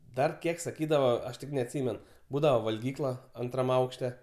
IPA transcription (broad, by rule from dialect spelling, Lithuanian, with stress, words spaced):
ˈdɐr ˈkʲiɛk sɐˈkʲiːdɐʋɐ ˈɐʃ tʲɪk nʲɛɐtʲˈsʲiːmʲɛn ˈbuːdɐʋɐ ʋɐlʲˈɡʲiːklˠɐ ˈɐntrɐm ˈɐʊkʃʲtʲɛ